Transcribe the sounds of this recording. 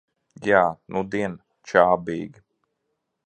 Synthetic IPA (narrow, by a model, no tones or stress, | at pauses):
jaːnʔud̪iɛn | t͡ʃaːbiːɡi